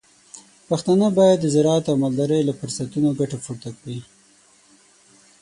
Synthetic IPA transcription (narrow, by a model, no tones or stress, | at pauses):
paxt̪ɑnəbɑjad̪ːəzɪɾɑat̪awmald̪ɑɾəjlafʊɾsat̪unoɡaʈafuɾt̪akwi